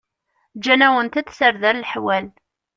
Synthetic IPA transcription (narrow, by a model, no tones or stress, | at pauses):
d͡ʒːænæwənt̪æt͡sːsəɾðæɾlħwæl